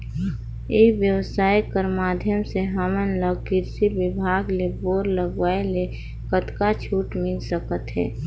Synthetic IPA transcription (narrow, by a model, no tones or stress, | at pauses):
eːʋjəwsaːikəɾmaːd̪ʱjəmseɦəmənləɡ̚kɪɾsibɪbʱaːɡleboːɾləɡʋaele | kət̪kat͡ʃʰuːʈmɪlsəkət̪ɦɛ̰ː